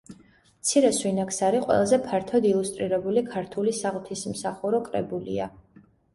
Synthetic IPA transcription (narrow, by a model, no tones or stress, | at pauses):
mt̪sʰiɾɛswinakʰsaɾiqʼwɛ̰lˠazɛpʰaɾt̪ʰɔd̪ilˠust̪ʼɾiɾɛbulikʰaɾt̪ʰulisaʁt̪ʰismsaχuɾɔkʼɾɛ̰bulḭa